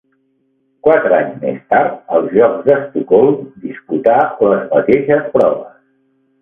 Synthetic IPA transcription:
kwat̪ɾəaɲzmḛst̪aɾt̪̚əlˠzʒɔɡzðəst̪ukɔlˠmd̪isput̪aləzmət̪eʃəspɾɔβəs

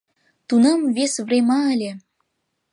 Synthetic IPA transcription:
t̪unɤmvesvremɑəlʲe

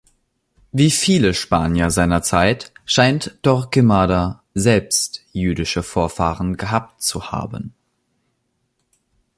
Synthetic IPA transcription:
viːfiːləʃpaːnjɐzaɪnɐt͡saɪtʃaɪntd̥ɔʁkɪmaːda | zɛlpstjyːdɪʃəfoːɐfaːʁənɡəɦaːp̚tt͡suha̰ːbən

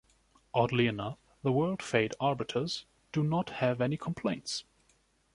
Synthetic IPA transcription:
ʔɑdˡliɨnʌf | ðəwɜ˞lˠd̥feɪɾɑɹbɨɾʰə˞z̥ | d̥ɨnət̚hɨvɛnikʰə̃m̩pʰl̥ẽɪ̃nts

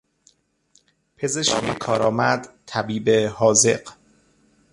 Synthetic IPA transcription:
pʰezeʃkmekʰɒːɾɒːmæd̪̥t̪ʰæbiːbehɒːzḛɢ

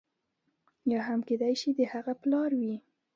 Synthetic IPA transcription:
jɑɦamked̪ajʃid̪əhaɣaplɑɾwi

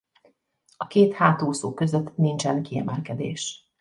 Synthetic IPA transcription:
ɒkeːt̪haːt̪oːsoːkø̞zøt̪ːnint͡ʃɛnkiɛ̰mɛlkɛd̪ḛːʃ

